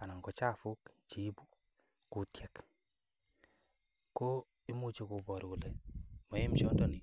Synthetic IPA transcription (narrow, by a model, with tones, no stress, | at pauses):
a˨na˨ŋɡɔ˨t͡ʃa˦˨fu˦kt͡ʃi˨˦bu˦ | ku˨tʰjɛ˨k | ko˦ | i˦mu˦t͡ʃo˦˨ku˨bɔ˨ɾɡu˨lɛ˨mɔ˨je˦mt͡ʃɔ˦ndɔ˦ni˨